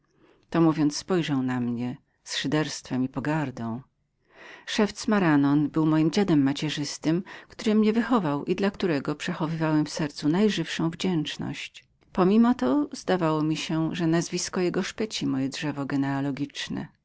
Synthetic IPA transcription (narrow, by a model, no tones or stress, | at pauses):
t̪ɔmuvʲjɔnt̪sspɔjʐawnamɲɛ | sʂɘd̪ɛɾst̪fɛmipɔɡaɾd̪ɔ̃w̃ | ʂɛft̪smaɾanɔnbɘwmɔjimd͡ʑad̪ɛmːat͡ɕɛʐɘst̪ɘmkt̪uɾɘmɲɛvɘxɔvawʔid̪lakt̪uɾɛɡɔpʂɛxɔvɘvawɛmfsɛɾt̪sunajʐɘfʂɔ̃w̃vd͡ʑɛnt͡ʂnɔ̰ɕt͡ɕ | pɔmʲimɔt̪ɔz̥d̪avawɔmʲiɕɛʐɛnazvʲiskɔjɛɡɔʂpɛt͡ɕimɔjɛdʐɛvɔɡɛnɛalɔɡʲit͡ʂnɛ̰